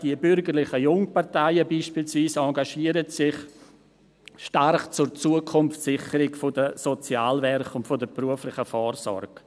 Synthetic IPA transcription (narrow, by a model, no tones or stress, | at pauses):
d̥iəbʏɾɡəɾlɪχəjʊŋpartaɪəbiːʃpiːlsviːsɑɡaʃiːəɾətsɪχ | ʃtarχt͡sʊrt͡suːəkʰʊmftsɪχəɾɪɡfodəsot͡sjaːlvɛɾχʊntfodəpruəflɪχəfɔːrsɔ̰rɡ̥